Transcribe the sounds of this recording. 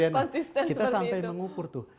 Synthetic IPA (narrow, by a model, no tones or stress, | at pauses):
anɔnsist̪ɛnist̪asampajməŋukʊrt̪ʊh